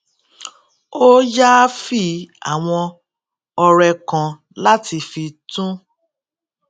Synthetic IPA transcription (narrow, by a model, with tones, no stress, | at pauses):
o˦ja˦fi˦a̰˨w̃ɔ̃˧ | ɔ˧ɾɛ˧kã˨ | la˦ti˧fi˧tũ˦